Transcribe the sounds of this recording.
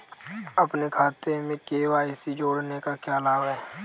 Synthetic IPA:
əpnekʰaːt̪emẽkeːʋaːisid͡ʒoːɽnekakjaːlaːbɦɛː

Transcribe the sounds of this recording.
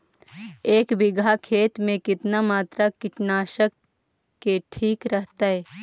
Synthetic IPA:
eːkʋɪɡʱakʰeːt̪mẽkɪt̪namaːt̪ɾakɪʈnaːʃəkː | eʈʰiːkɾəɦt̪aɦɛː

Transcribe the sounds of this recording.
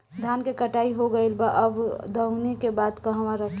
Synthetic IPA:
d̪ʱjaːnkekəʈaːiɦoɡəelbaʔəbd̪əʊnekebaːd̪kəɦəmãɾəkʰ

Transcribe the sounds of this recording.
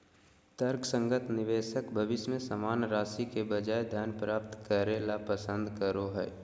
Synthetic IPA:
t̪əɾksə̃ŋɡət̪nɪʋeːʃəkbʱəʋɪʃmẽsəmaːnɾaːsikebəd͡ʒaːed̪ʱjaːnpɾaːp̚t̪kəɾeːlapəsə̃nd̪ʱkəɾoɦɛ̰ː

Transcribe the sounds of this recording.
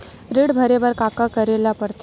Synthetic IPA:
ɾeɽbʱəɾeʋəɾkakakəɾelapəɾt̪

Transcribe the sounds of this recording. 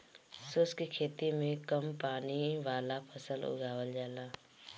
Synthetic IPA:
sʊːskekʰeːt̪imẽkəmpaːniʋaːlapʰəsəlʊ̰ɡʱaːwəld͡ʒaːlaː

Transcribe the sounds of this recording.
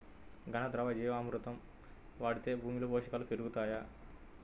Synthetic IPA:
ɡʱɐnɐd̪ɾɐʋɐd͡ʒiːʋaːmɾut̪ɐm | ʋaːɽit̪eːbʱuːmiluboːʂɐkalupeɾuɡut̪aːja

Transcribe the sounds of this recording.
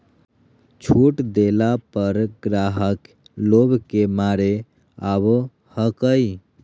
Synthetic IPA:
t͡ʃʰuʈd̪elapəɾɡɾaɦək | lobʱkemaɾe | abo | həkəi

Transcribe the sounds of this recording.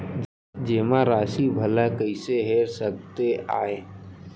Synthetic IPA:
d͡ʒeːmãɾaːʃibʱəlakəɪseɦeːɾsək̚t̪ea̰ːeː

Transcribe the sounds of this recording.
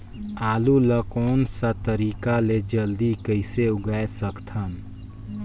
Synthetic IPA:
aːluləkoːnsat̪əɾiːkaled͡ʒəld̪ikəɪseʊɡaesəkt̪ʰən

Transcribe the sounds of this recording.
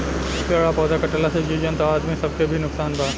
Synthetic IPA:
kəɽapɔːd̪akɐʈəlased͡ʒiːd͡ʒənt̪oaːd̪mĩsɐb̚kebʱinʊksaːnbaː

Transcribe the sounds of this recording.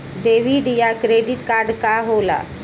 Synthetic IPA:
d̪eʋiɖjakɾeɖiʈkaɾɖkaɦola̰

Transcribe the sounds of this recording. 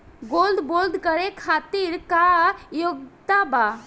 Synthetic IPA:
ɡoːld̪boːld̪ʱkəɾekʰaːt̪iɾkajoɡt̪aba

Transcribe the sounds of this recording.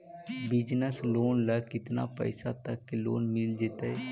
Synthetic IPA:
bɪd͡ʒnəsloːnləkɪt̪na̰ːpə̰ɪsat̪əkːelo̰ːnmɪld͡ʒeːt̪aɛ

